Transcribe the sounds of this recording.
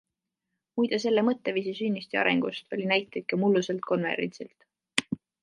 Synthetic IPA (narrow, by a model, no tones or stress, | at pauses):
mujd̪̥ɑs̬e̞lːemɤt̪ːeviːsisynʲːist̪iɑ̰ɾḛŋɡ̥ust̪o̞lʲinæjt̪ːˑet̪̚kɑmulːuse̞lt̪̚kʰo̞nvḛɾent̪silt̪